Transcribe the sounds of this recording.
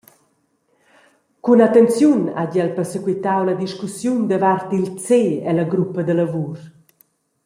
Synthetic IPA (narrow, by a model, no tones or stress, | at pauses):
kunat̪ɛnt͡sjuna̰ɟɛlpɛrsəkwit̪awlad̪iʃkusjund̪əvart̪ilt͡seɛlaɡɾupəd̪əlavuɾ